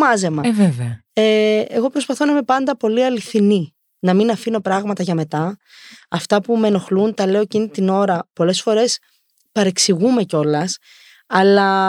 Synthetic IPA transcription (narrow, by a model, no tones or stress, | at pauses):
mɐze̞mɐveveɐeeɣo̞pɾo̞spɐθo̞nɐimepɐnd̪ɐpo̞liɐliθini | nɐminɐfino̞pɾɐɣmɐt̪ɐʝɐme̞t̪ɐ | ɐft̪ɐpume̞no̞xlunt̪ɐle̞o̞ecinit̪ino̞ɾɐpo̞le̞sfo̞ɾe̞s | pɐɾe̞ksiɣume̞co̞lɐs | ɐlɐ